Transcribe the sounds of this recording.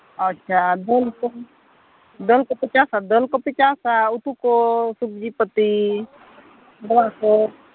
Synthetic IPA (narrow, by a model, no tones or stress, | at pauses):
ətːʃʰad̪əlko | d̪əlkopɪt͡ʃaːsad̪əlkopɪt͡ʃasaut̪ukosubd͡ʒipət̪i | bɐlako